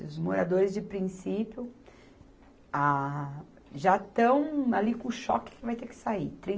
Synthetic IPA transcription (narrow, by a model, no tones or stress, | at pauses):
ɪʊzmoɾad̪oɾɪzd͡ʒɪpɾĩsipjʊ | a | ʒat̪ɐ̃w̃alikõʃɔ̰kɪ̥kɪvajt̪ekɪ̥sait̪ɾĩ